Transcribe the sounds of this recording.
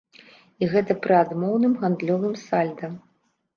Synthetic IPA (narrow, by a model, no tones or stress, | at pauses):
iɣɛt̪ɐpɾɨad̪mɔwnɨmɣand̪lʲɔvɨmsalʲd̪ɐm